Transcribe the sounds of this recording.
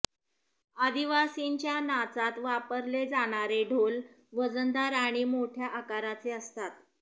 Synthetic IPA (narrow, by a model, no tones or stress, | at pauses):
ad̪iʋasiɲt͡ɕjanat͡sat̪ʋapəɾled͡zaɽ̃aɾeɖʱol | ʋəd͡zənd̪aɾaɽ̃imoʈʰjaʔakaɾat͡seəst̪at̪